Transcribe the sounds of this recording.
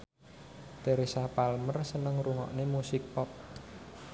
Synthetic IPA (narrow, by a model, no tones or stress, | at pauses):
t̪eɾesapalmərsənəŋruŋɔ̰ʔnemusɪk̚pɔt̚